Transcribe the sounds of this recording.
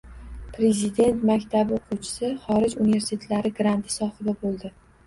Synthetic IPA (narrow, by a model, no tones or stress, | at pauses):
pɾe̞zid̪e̞nt̪makʲt̪ʰabɪoqʰuwt͡ʃʰɪ̥sɪχɒɾɪd͡ʒunive̞ɾsi̥t̪ʰe̞t̪laɾɪɡɾant̪ʰɪsɒχɨd̪abolˠd̪ɪ